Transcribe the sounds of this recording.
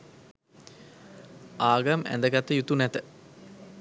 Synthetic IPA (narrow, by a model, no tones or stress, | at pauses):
aːɡamæ̰nd̪əɡat̪ːəjut̪unɛt̪ə